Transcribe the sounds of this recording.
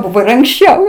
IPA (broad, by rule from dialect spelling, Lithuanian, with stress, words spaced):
ˈbʊʋoː ɪr ɐŋksʲˈt͡ʃʲɛʊ